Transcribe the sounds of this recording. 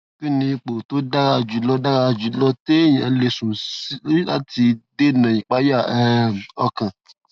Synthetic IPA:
ki˦˨nĩ˧k͡po˨to˨˦da˦ɾa˧˨d͡ʒu˨˦lɔ˧˦da˦ɾa˧˨d͡ʒu˨˦lɔ˦te˦jĩ˨ɛ˧le˧˨sũ˨si˦i˦la˦ti˧de˦˨nã˨jĩ˨k͡pa˦ja˦˨ɛ˦ɔ˧kã˨

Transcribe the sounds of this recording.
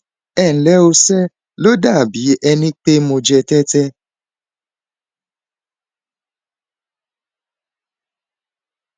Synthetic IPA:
ɛ˦˨n̩˨lɛ˦o˧sɛ˦ | lo˦da˦˨bi˨˦ʔɛ˧nĩ˦k͡pe˦mo˧d͡ʒɛ˧tɛ˦tɛ˦

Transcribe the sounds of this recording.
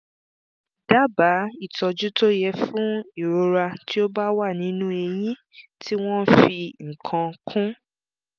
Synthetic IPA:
d̥a˦ba˨˦i˦˨tɔ˧d͡ʒu˦to˦jɛ˦fũ˦i˦˨ɾo˧ɾa˧tʰi˦o˦ba˦wa˦˨nĩ˨˦nũ˦e˧j̃ĩ˦ | tʰi˦w̃ɔ̃˦fi˧ŋ̩̃˨kʰã˧kʰũ˦

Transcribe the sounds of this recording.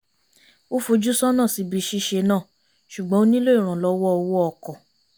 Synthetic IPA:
o˦fo˧d͡ʒu˦sɔ˦nãː˦˨si˨˧˦bi˨˧ʃi˦ʃe˧nã˦˨ | ʃu˨ɡ͡bɔ̃˨˦o˦nĩ˦lo˦i˦˨ɾ̃ã˨lɔ˧˦wɔ˦ɔ˧wɔ˦ɔ˨kɔ˨

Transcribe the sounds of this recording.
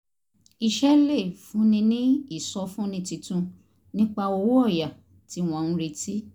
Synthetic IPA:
i˧ʃɛ˦le˦˨fũ˨˦nĩ˧nĩ˦i˦˨sɔ˧˦fũ˦nĩ˧ti˧tũ˧ | nĩ˦k͡pa˧o˧wu˦ɔ˦˨ja˨ | ti˨˦w̃ɔ̃˨˧˨n̩˦ɾe˧tʰi˦

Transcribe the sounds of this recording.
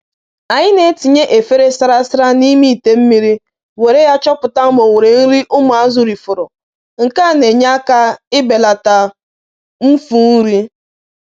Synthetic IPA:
a˨ɲɪ˦ne˨˦ti˨ɲe˦ʔe˨fe˦ɾe˦sɪ˦ɾa˦sɪ˦ɾa˦ni˦mi˦i˨te˨m̩˦mi˦ɾi˦ | we˨ɾe˦ja˦t͡ʃɔ˦pʊ˨ta˦mo˨ŋe˨ɾe˨n̩˦ɾi˦ʔʊ˦mʊ˨a˦zʊ˨ɾi˨fʊ˨ɾʊ˨ | ŋ̩˨ka˦˨ne˨ɲa˦ka˦ɪ˦be˨la˨ta˨ | m̩˦fu˦n̩˦ɾi˦

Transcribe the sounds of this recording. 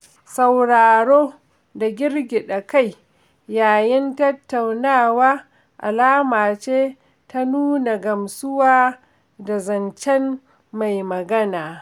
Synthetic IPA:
sa˨wɽaː˨ɽoː˦ | da˨ɡʲɪ˦ɾɡʲɪ˨ɗɐ˨ka˦˨j | jaː˨jɪ˦ntɐ˦tːa˨wnaː˦wa˦ | ʔa̰˨laː˦maː˨t͡ʃeː˦ | ta˦nuː˦na˨ɡɐ˨msʊ˦waː˦ | da˨zɐ˨nt͡ʃɛ˦m | ma˨jmɐ˨ɡɐ˦naː˨

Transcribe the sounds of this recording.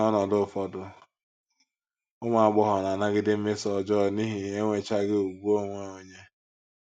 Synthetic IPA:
ɔ˦nɔ˨dʊ˦˨fɔ˦dʊ˨ | ʊ˦ŋʷa˨a˨ɡ͡bɔ˦ɦɔ˨na˨na˦ɡɪ˦dɪ˦m̩˦mɪ˦sɔ˨d͡ʒɔ˦˨ni˦ɦi˨e˦ŋʷe˨t͡ʃa˦ɡɪ˦u˨ɡ͡bu˦o˦ŋʷe˦o˨ɲe˦

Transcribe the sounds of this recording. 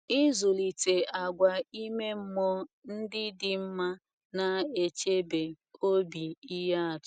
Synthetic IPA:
i˦zu˨li˨te˨a˨ɡʷa˨i˦me˦m̩˦mɔ˦n̩˦dɪ˦dɪ˨m̩˦ma˦ | na˨e˨t͡ʃe˦be˨ | o˦bi˨i˦ɦa˦a˨tʊ˨

